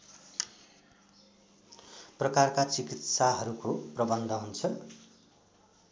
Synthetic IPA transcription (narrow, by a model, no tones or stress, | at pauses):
prʌkarkat͡sikit̪saɦʌɾukoprʌbʌnd̪ʱʌɦunt͡sʰʌ